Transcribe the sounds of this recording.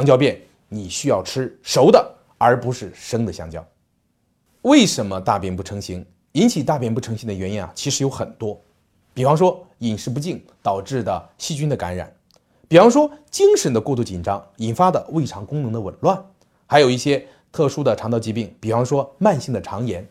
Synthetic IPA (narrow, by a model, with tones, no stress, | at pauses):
ɕɑ˥ŋt͡ɕjɑ˥˧ʊpjɛ˥˩n | ni˨˩ɕy˥jɑ˥˩ʊʈ͡ʂʰɻ̩˥ʂo˧˥ʊd̪ə˨ | ə˞˧˥pu˧˥ʂɻ̩˥˩ʂɤ˥ŋd̪ə˨ɕjɑ̰˥˧ŋt͡ɕjɑ̰˥˩ʊ | we˥˩ɪʂə˧˥nmə˧t̪a̰˥˧pjɛ˥˩npu˥˩ʈ͡ʂʰɤ˧˥ŋɕi˧˥ŋ | i˥nt͡ɕʰi˨˩t̪a˥˧pjɛ˥˧npu˥˩ʈ͡ʂʰɤ˧˥ŋɕi˧˩ŋd̪ə˩ɥɛ˧˥nji˧˥na̰˨˩t͡ɕʰi˧˥ʂɻ̩˧˥jo˧˥ʊxə˨˩nt̪wɔ˥ | pi˨˩fɑ˥ŋʂwɔ˥i˨˩nʂɻ̩˥˧p̬u˧˥t͡ɕi˥˩ŋ | t̪ɑ˨˩ʊʈ͡ʂɻ̩˥˩d̪ə˩ɕi˥t͡ɕy˥nd̪ə˨ka̰˧˥nɻa̰˨˩˦n | pi˨˩fɑ˥ŋʂ̬wɔ˥t͡ɕi˥ŋʂə˧˥nd̪ə˧kwɔ˥˧t̪u˥˩t͡ɕi˨˩nʈ͡ʂɑ˥ŋi˨˩nfa˥d̪ə˨we˥˩ɪʈ͡ʂʰɑ˧˥ŋkʊ˥ŋnɤ˧˥ŋd̪ə˧wə̰˨˩nlwa˥˩n | xa˧˥ɪjo˨˩ʊi˥˩ɕjɛ˥ | t̪ʰɤ˥˩ʂu˥d̪ə˨ʈ͡ʂʰɑ˧˥ŋt̪ɑ˥˧ʊt͡ɕi˧˥pi˥˩ŋpi˨˩fɑ˥ŋʂwɔ˥ma˥˧nɕi˥˩ŋd̪ə˩ʈ͡ʂʰɑ˧˥ŋjɛ˧˥n